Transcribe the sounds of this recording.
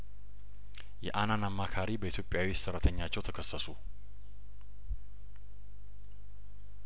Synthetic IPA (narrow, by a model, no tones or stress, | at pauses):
jɛ̰ʔananamːakʰaɾibəit̪ʰjo̞pʼːjawisɨrːət̪ʰəɲːat͡ʃːɛwt̪ʰəkʰəsːəsu